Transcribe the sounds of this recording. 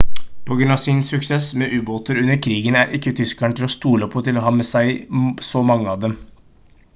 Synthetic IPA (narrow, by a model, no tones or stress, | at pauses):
pʰɔɡɾʉnɑʋsɪnsʉksɛsmɛːʔʉːboːt̪əɾʉnːəɾkʰɾiːɡənæɾʔɪkːət̪ʰʏskɑɳʈ̪ʰɪlɔst̪uːləɔpʰɔt̪ɪlɔɦɑːmɛsæɪsɔmɑŋːəɑːʋd̪ɛm